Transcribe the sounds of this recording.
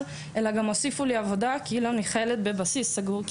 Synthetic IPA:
ʔe̞laɡamo̞sifuliavo̞d̪akiiloniχelet̪̚be̞basisːaɡuʁk

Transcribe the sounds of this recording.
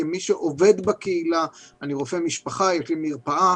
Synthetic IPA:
emiʃeʔo̞ve̞d̪bakeilaaniʁofemiʃpaχajeʃlimiʁpaʔa

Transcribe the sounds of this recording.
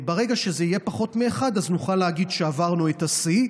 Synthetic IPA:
beʁeɡaʃe̞zeijepaχo̞t̪meːχad̪aznuχaleaɡid̪ʃeavaʁnuet̪asi

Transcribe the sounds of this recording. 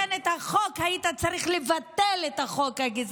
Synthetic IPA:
net̪haχokhait̪at͡saʁiχlevat̪elet̪aχokaɡiz

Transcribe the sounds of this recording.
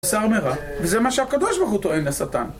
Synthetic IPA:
saʁmeʁavezemaʃehakad̪oʃbaʁχut̪oemlesat̪a̰n

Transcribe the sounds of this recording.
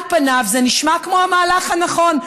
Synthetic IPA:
panavzeniʃmakmohamaːlaχhanaχo̞n

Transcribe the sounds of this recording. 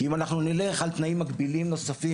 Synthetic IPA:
imanaχnunileχalt̪naimːaɡbilimno̞safi

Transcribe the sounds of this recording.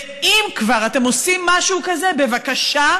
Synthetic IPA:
imkvaʁate̞mo̞simːaʃukaze̞be̞vakaʃa

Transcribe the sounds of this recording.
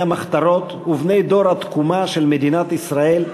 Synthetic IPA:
amaχt̪aɾo̞t̪uvne̞jd̪o̞ɾhat̪kumaʃelmed̪inat̪isʁae̞l

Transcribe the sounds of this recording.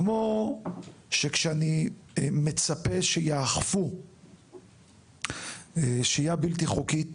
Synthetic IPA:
mo | ʃekʃeanimet͡sapeʃejaːχfu | eʃeajabilt̪iχuki

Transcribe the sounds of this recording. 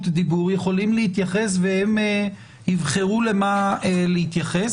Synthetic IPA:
td̪ibuʁjeχo̞limlehit̪jaχe̞s̬veheme | hivχeʁule̞maelehit̪jaχe̞s

